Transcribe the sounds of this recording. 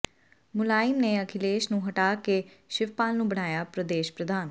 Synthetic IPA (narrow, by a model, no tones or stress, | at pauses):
mʊlaːɪmneːəkʰɪleːʃnũːɦəʈaːkeʃɪʋpaːlnũːbəɽ̃aːjaːpɾəd̪eːʃpɾəd̪aːn